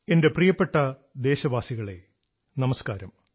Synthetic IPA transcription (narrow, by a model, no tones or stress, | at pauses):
e̞nde̞prijɐpːe̞ʈːɐd̪e̞ːɕɐbaːsiɣɐɭe̞̰ | nɐmɐskaːɾɐm